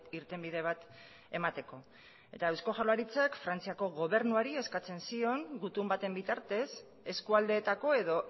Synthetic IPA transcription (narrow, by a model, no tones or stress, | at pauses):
iɾt̪e̞mbiðe̞β̞at̪ | e̞mat̪e̞ko̞ | e̞t̪aewsko̞ʝalaɾit͡sakfɾant͡siako̞ɣo̞β̞e̞ɾnuaɾie̞skat͡se̞nsio̞ŋɡut̪umbat̪e̞mbit̪aɾt̪e̞s | e̞skuald̪e̞t̪ako̞e̞ðo̞